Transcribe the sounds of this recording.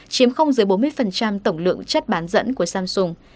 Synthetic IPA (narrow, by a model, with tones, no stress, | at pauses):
t͡ɕi˨˦əmxə˧wŋ͡mzɨ˨˦jɓo˨˦nmɨ˧əjfə˨˩nt͡ɕa˧mt̪ə˧˩wŋ͡mlɨ̰˧˨əŋt͡ɕə˦˥t̚ɓaː˨˦nzə̰˧˥nku˧˩əsaː˧msʊ˧ŋ͡m